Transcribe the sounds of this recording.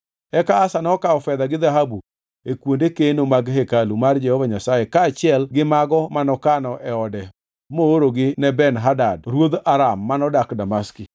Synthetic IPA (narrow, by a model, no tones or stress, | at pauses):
ɛkaːsanɔkaɔfɛd̪aɡɪd̪aɦabu | ekwondekenomaɡɦekalumard͡ʒɛhɔvaɲasajekaːt͡ʃɪɛlɡɪmaɡɔmanɔkanɔʔɛɔdɛ | mooɾoɡɪnɛbɛnɦadadɾwod̪aɾamːanɔdakdamaski